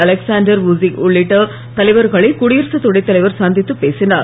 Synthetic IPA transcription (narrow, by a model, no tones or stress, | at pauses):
ɐlɛksaːnɖɐɾʋʊziʊɭːɪʈːɐ | t̪ɐlɐɪʋɐɾɣɐɭɐɪkʊɽijɾsɐt̪ːʊɽɐɪt̪ːɐlɐɪʋɐɾsaːnd̪ʱɪt̪ːɯpːeːsɪna̰ːɾ